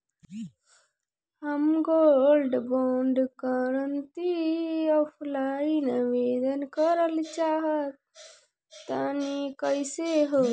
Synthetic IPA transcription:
həmɡoːlɖboːɳɖkəɾənt̪iəpʰlaːinəʋeːd̪ənkəɾəlt͡ʃaːɦət̪̚ | t̪anikəjseɦo

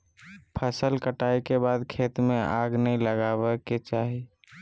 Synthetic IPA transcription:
pʰəsəlkəʈaikebaːd̪kʰeːt̪mẽʔaɡnəĩləɡabeket͡ʃaɦi

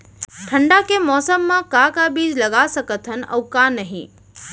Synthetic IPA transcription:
ʈʰəɳɖakemɔːsəmːãkakabiːd͡ʒləɡasəkət̪ʰɦənə̰ʋkanəɦḭ̃

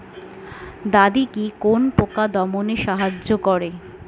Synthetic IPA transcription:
d̪ad̪ikikonpokad̪ɔmoneʃaɦad͡ʑːokɔɾe

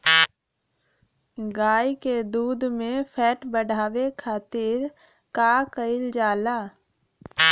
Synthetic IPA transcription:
ɡaːiked̪uːd̪mẽpʰɛːʈbəɽʱaːʋekʰaːt̪ɪɾ | kaːkəɪld͡ʒaːlaː

